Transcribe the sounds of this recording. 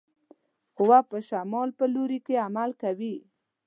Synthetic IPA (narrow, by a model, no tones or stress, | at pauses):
ʊwapəʃamɑlpəloɾikeamalkawi